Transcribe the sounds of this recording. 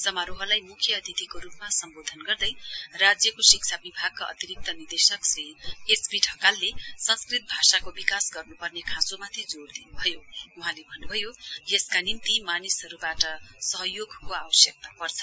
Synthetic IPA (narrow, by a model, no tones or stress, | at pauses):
sʌmaɾoɦʌlajmukʰjʌːd̪ʱit̪ikoɾupmasʌmbod̪ʱʌnɡʌrd̪ʌjrad͡zjʌkosik̚t͡sʰabibʱaɡ̚kaʌ̰t̪iɾik̚t̪ʌnird̪esʌksriesbiʈʰʌkalːesʌnskrit̪̚bʱasakobikasɡʌrnupʌrnekʰãsomat̪ʰid͡zoɽd̪inubʱʌjouɦãlebʱʌnːubʱʌjojeskanimt̪imanisʌɾubaʈʌsʌɦʌjoɡʱkoabʌsjʌk̚t̪apʌrt͡sʰʌ